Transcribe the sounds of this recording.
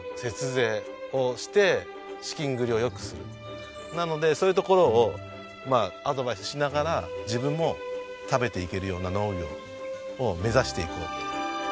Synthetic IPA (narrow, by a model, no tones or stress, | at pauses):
se̞t͡sɨze̞ː | o̞ɕi̥t̪e̞ | ɕi̥kʲĩŋɡɯ̟ɾʲio̞jo̞kɯ̟̥sɨɾɯ̰ | nano̞d̪e̞so̞ːjiɯ̟t̪o̞ko̞ɾo̞ː | maad̪o̞baisɨ̥ɕinaɡaɾad͡ʑibɯ̟̃mːo̞ | t̪abe̞t̪e̞ike̞ɾɯjo̞ːnano̞ːɡʲo̰ | ome̞zaɕi̥t̪e̞ḭkɯ̰